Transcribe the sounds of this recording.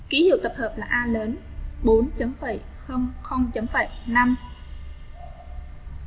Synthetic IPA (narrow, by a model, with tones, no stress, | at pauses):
ki˨˦hḭ˧˨wt̪ə˨˩p̚həː˨˩p̚laː˨˩ʔaː˧ləː˨˦nɓo˨˦nt͡ɕə˨˦mfəː˧˩j | xə˧wŋ͡mxə˧wŋ͡mt͡ɕə˨˦mfaː˧˩jna˧m